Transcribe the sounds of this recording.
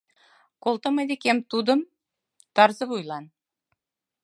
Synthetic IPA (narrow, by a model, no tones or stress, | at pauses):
kolˠt̪ɤ̆mɤjd̪ekemt̪ud̪ə̆m | t̪ɑɾzɤ̆βujlˠɑn